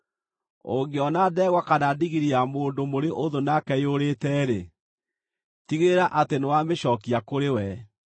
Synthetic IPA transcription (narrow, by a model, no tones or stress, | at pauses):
o̰ɡeɔnaðɛːɣwakanadiɣiɾiamoːndomoɾeʔoðonakɛjoɾetɛɾe | tiɣeɾaʔatenewameʃɔkiakoɾewɛ